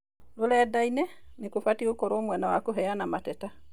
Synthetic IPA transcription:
lolɛdainɛnikofatiokɔɾoːmwɛnawakoɦɛjanamatɛta

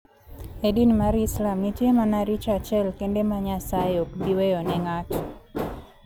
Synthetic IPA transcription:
edinmaɾislamnitjemanaɾit͡ʃat͡ʃɛlkendemaɲasaeokbiwejɔnɛŋati

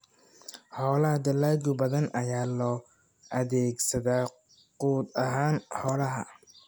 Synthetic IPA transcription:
ħɔːlɐɦɐd̪ɐlaːɡʊbɐðɐnɐjaːlɔː | ʔɐðɛːɡsɐðaː | quːd̪ɐɦaːnħɔːlɐɦɐ̰

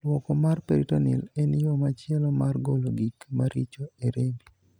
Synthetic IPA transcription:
lwɔkɔmarpeɾitonḭlenijomat͡ʃɪɛlɔmarɡoloɡikmaɾit͡ʃoeɾembi

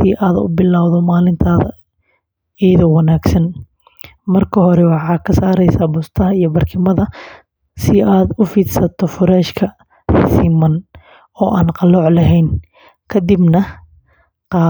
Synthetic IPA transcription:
sɪʔaːðʊ̰bɪlaːwðɔmaːlɪnt̪ʰaːðɐ̰ | ɛːðɔwɐnaːɡsɐn | mɐrkʰɐɦɔɾɛwɑħɑːkʰɐsaːɾɛjsaːbʊst̪ʰɐɦɐijɔbɐrkʰɪmɐðɐ | sɪʔaːd̪ʊfiːd̪sɐt̪ʰɔfʊɾɛːʃkʰɐ | rsiːmɐn | ɔːʔaːnqɑlɔːʕlɐɦɛjn | kʰɐd̪ɪbnɐ | qɑː

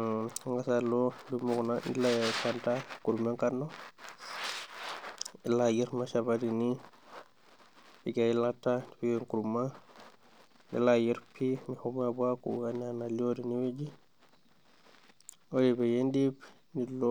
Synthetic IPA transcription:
ŋɡasalɔdumːukɔnandilajakantakuɾumaŋkaɾnɔ | ɛlajiɾmaʃabadini | biɡajilatːadibiɛŋkuɾumːa | ndɛ̰lajiɾpʰinihumabuakṵwananalodiniwed͡ʒi | odibɛjendibnilɔ

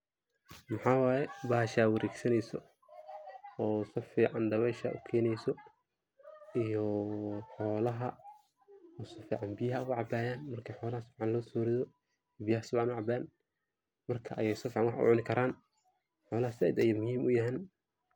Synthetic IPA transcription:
mɐħaːwɑːjɛbaːʃaːwɐɾɛːɡsɐnɛjsɔ | ɔːsɐfiːʕɑnɖ̪ɐβɛjʃɐ̰ʔʊ̰kʰɛːnɛjsɔ | ijɔħɔːlɐɦɐ | ʊsɐfiːʕɑnbɪjɐɦɐʊʕɑbaːjaːnmɐrkʰɐħɔːlɐhɐsʊbʕɑnlɔːsɔːɾɪðɔ | bɪjɐhɐsʊbʕɑnʊʕɑbaːn | mɐrkʰɐʔɐjɛjsɐfiːʕɑnwɑħʊ̰ʕʊnɪkʰɐɾaːn | ħɔːlɐɦɐsɐ̰d̪ɐjɐmʊhiːmʊjɐɦɛːn

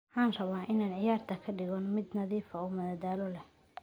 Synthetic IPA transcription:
ħɑːnrɐβaːʔɪnaːnʕɪjaːrt̪ʰɐkʰɐɖɪɣɔnmɪd̪nɐðiːfɐuːmɐðaːd̪aːlɔlɛ

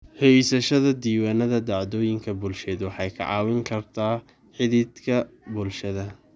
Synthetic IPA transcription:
hɛjsɐʃɐðɐd̪iːwaːnɐðɐd̪ɑʕd̪ɔːjɪŋkʰɐbʊlʃɛːd̪wɑħɑjkʰɐ̰ʕɑːwɪŋkʰɐrt̪ʰaː | ħɪðɪd̪kʰɐ | bʊlʃɐðɐ

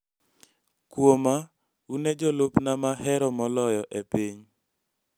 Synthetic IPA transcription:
kwoma | uned͡ʒɔlopnamaɦɛɾɔmɔlɔjɔʔepiɲ

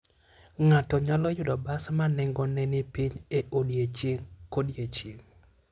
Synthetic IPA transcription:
ŋatɔɲɔlɔjʊdɔbasmanɛŋɡɔnɛnɪpiɲeʔodjet͡ʃeŋkodjet͡ʃeŋ

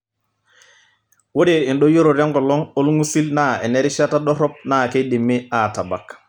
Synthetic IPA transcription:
wodeinɗojoɾoɾaŋɡɔlɔŋolŋusilnaeneɾiʃatadɔɾɔp̚nakedimːiataba̰k

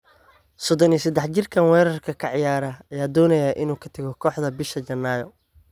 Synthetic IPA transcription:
sɔd̪ɔniːsɐd̪ɛħt͡ʃɪrkʰɐnwɛːɾɐrkʰɐkʰɐʕɪjaːɾɐɐjaːd̪ɔːnɐjɐʔɪnuːkʰɐt̪ʰɐɣɔkʰɔːħd̪ɐbɪʃɐd͡ʒɐnːaːjɔ

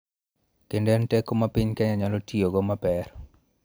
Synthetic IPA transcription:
kendɛntɛkːomapiɲkɛɲaɲalotioɡɔmapɛɾ

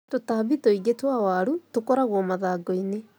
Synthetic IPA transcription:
totaβitoiɣetwawaɾutokɔɾaɣwɔmaðaːɡɔine

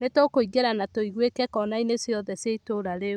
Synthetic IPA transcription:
netokoiɡeɾanatoiɣwekɛkɔnainesjɔðɛseitoɾaɾe

